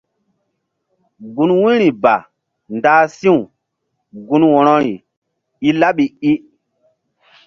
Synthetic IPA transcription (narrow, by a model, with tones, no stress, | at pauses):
ɡu˨nwẽ˦ɾi˨ba̰˨ | ndaː˦sĩ˦wu˨ | ɡu˨˦nwɔ˨ɾɔ˦ɾi˨ | i˦la˦ɓi˨i˦